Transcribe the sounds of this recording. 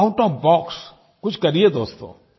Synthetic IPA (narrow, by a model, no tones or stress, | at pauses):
aʊʈɔːfbɔːks | kʊt͡ʃʰkɐɾied̪oːst̪o̰ː